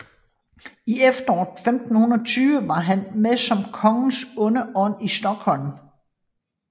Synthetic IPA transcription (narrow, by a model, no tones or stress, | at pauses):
iefd̥ɐɒ̰ːfemd̥n̩hunˠɐt͡sʰyːʋəʋɑ̈ɦænmesɒ̽mkʰɒ̽ŋn̩sɔ̽nəʔɒ̽n̰isd̥ɒ̽ɡ̥hɒ̽l̰m